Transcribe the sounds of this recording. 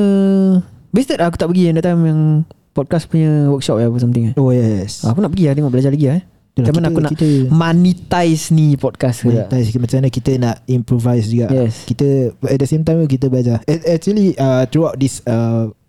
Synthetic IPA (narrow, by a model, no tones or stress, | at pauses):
ə | best̪ətak̬ut̪aʔpəɡiandaʔt̪amjaŋ | pɔd̚kaspuɲə̃wək̚ʃɔp̚apəs̬amt̪iŋaojɛsakunaʔpəɡiaht̪eŋɔʔbəlad͡ʒalaɡia | t̪əlat͡ʃamanakkunaʔt̪əmanit̪ajsnipɔd̚kasknaiʔt̪ajsmat͡ʃamanakit̪ənaʔimpɾovajsd͡ʒuɡaʔjɛskit̪əɛt̚dəsemt̪ajmk̬it̪̬əbəlad͡ʒaɛɛk̚t͡ʃuəliət̪ɾuawt̚disə